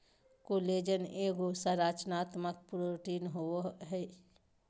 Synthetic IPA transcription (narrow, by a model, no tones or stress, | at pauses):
koleːd͡ʒəneːɡosəɾaːt͡ʃnaːt̪mək̚pɾoʈiːnɦoɦɛ